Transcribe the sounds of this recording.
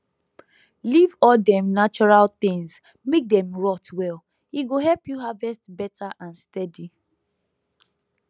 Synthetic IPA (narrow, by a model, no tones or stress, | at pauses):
livɔldɛ̃mnat͡ʃɔɹalθɪ̃ŋs | mek̚dɛ̃mɹɔtʰwɛl | iɡoɦɛlpjuɦavɛstbɛtʰaʔãnstɛdi